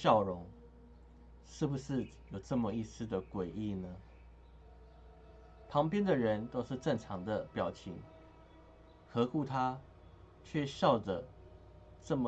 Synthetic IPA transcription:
jɑ˥˩ʊɻʊ˧˥ŋ | ʂɻ̩˥˩bu˩ʂɻ̩˥˩ | jo˨˩ʊʈ͡ʂə˥˩mə˨i˥˩s̩˧˦d̪ə˨kwe˨˩ɪi˥˩nə˦ | pʰɑ˧˥ŋpjɛ˥nd̪ə˨ɻə˧˦nt̪o˥ʊʂɻ̩˥˧ʈ͡ʂə˥˩ŋʈ͡ʂʰɑ˧˥ŋd̪ə˨pjɑ˨˩ʊt͡ɕʰi˧˥ŋ | xɤ˧˥ku˥˧t̪ʰa˥˦ | t͡ɕʰɥɛ˥˧ɕjɑ˥˩ʊʈ͡ʂə˩ | ʈ͡ʂə˥˩mə˨

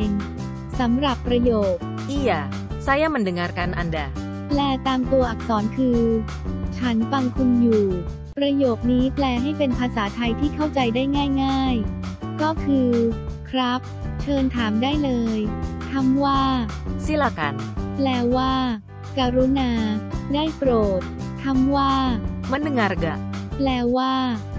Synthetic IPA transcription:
n | sa˩˦mɾa˨˩pːɾa˧joː˨˩k̚ | ʔi˥˩ja˨˩ | sa˦˥ja˦˥˩ma˧˨ndɯ˧˩ŋa˧ɾka˧nʔa˧nda˨˩ | plɛː˨˧˩t̪aː˧mt̪u˧ɐʔa˨˩k̚sɔː˩˦nkʰɯː˧ | t͡ɕʰa˦˥nfa˧ŋkʰu˧njuː˨˩ | pɾa˧joː˨˩k̚niː˦˥plɛː˧ɦa˥˩jpe˧npʰaː˧saː˩˦t̪ʰa˧jt̪ʰiː˥˩kʰa˥˩wt͡ɕa˧jdaː˥˩jŋaː˥˩jŋaː˥˩jkɔː˥˩kʰɯː˧kʰɾa˦˥p̚t͡ɕʰɤː˧nt̪ʰaː˩˦mdaː˥˩jlɤː˧jt̪ʰa˥˩mwaː˥˩si˦˥˩la˧˩ka̰˧nplɛː˧˥waː˥˩ | kaː˧ɾu˦˥naː˧daː˥˩jpɾoː˨˩t̪̚ʰ | a˥˩mwaː˥˩ma˦˥nɯ˧˩ŋa˧ɾɡa̰˧˩plɛː˧waː˥˩

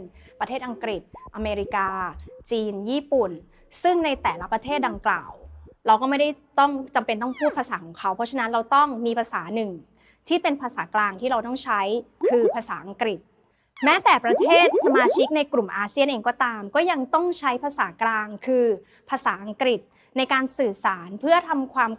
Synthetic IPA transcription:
npɾa˧t̪ʰeː˥˩ʔa˧ŋkɾi˨˩t̪̚ʔa˧meː˧ɾi˦˥kaː˧t͡ɕiː˧njiː˥˩pu˨˩n | sɯ˥˩ŋna˧jt̪ɛː˨˩la˦˥pɾa˧t̪ʰeː˥˩t̪̚da˧ŋkla̰ː˨˩wɾa˧wkɔː˥˩ma˥˩da˥˩jt̪ɔ˥˩ŋt͡ɕa˧mpe˧nt̪ɔ˥˩ŋpʰuː˥˩t̪̚pʰaː˧saː˩˦kʰɔː˩˦ŋkʰa˦˥wpʰɔ˦˥t͡ɕʰa˧na˦˥nɾa˧wt̪ɔ˥˩ŋmiː˧pʰaː˧saː˩˦nɯ˨˩ŋ | t̪ʰiː˥˩pe˧npʰaː˧saː˩˦klaː˧ŋt̪ʰiː˥˩ɾa˧wt̪ɔ˥˩ŋt͡ɕʰa˦˥jkʰɯː˧pʰaː˧saː˩˦ʔa˧ŋkɾi˨˩t̪̚ | mɛː˦˥t̪ɛː˨˩pɾa˧t̪ʰeː˥˩t̪̚sa˧maː˧t͡ɕʰi˦˥k̚na˧jkɾu˨˩mʔaː˧si˥˩ənʔeː˧ŋkɔː˥˩t̪aː˧mkɔː˥˩ja˧ŋt̪ɔ˥˩ŋt͡ɕʰa˦˥jpʰaː˧saː˩˦klaː˧ŋkʰɯː˧ | pʰaː˧saː˩˦ʔa˧ŋkɾi˨˩t̪̚ | na˧jkaː˧nsɯː˨˩saː˩˦npʰɯ˥˩ɐt̪ʰa˧mkʰwaː˧m

